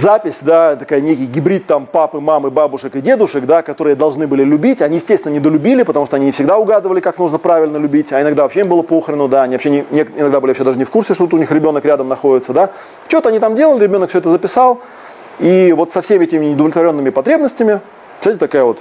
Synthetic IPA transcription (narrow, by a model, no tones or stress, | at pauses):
zapʲɪsʲd̪at̪ɐkajənʲekʲɪjɡʲɪbɾʲit̪̚t̪ampapɨmamɨbabʊʂɨkɨdʲe̞d̪ʊʂɨkd̪akɐt̪o̞ɾɨjəd̪ɐlˠʐnɨbɨlʲɪlʲʉbʲitʲɐnʲijɪsʲtʲesvʲɪnənʲɪd̪əlʲʉbʲilʲɪpət̪ɐmuʂt̪oɐnʲinʲɪfsʲɪɡd̪aʊɡad̪ɨvəlʲɪkaknuʐnəpɾavʲɪlʲnəlʲʉbʲitʲɐɪnɐɡd̪avɐpɕːeimbɨlˠəpoxəɾʲɪnəd̪aɐnʲivɐpɕːenʲɪnʲekɪnɐɡd̪abɨlɪvɐpɕed̪aʐɨnʲɪfkursʲɪʂt̪ut̪ʊnʲixɾʲɪbʲo̞nəkɾʲad̪əmnɐxo̞dʲɪt̪səd̪a | t͡ɕot̪əɐnʲit̪amdʲelˠəlʲɪɾʲɪbʲo̞nəkfsʲoɛt̪əzəpʲɪsalˠ | ivo̞t̪sɐfsʲemʲɛtʲɪmʲɪɪʊd̪əvlʲɪt̪vɐɾʲo̞nːɨmʲɪpɐt̪ɾʲe̞bnəsʲtʲɪmʲɪ̥ | sʲt̪atʲɪt̪ɐkajəvo̞t̪